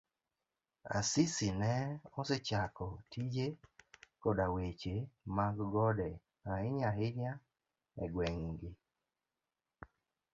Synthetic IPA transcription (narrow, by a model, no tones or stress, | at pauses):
a̰sɪsɪnɛɔset͡ʃakɔtid͡ʒekɔdawet͡ʃemaɡɡɔdɛ | ahɪɲaɦɪɲa | ɛɡwɛŋɡɪ